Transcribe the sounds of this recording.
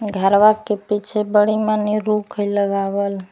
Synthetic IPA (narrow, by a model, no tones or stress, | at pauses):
ɡʱəɾʋakepit͡ʃʰebəɽimaniɾukʰəjləɡabəl